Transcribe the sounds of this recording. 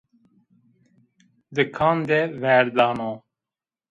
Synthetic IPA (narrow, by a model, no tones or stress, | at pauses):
d̪əkʰãːnd̪eʋæːɾd̪aːnoː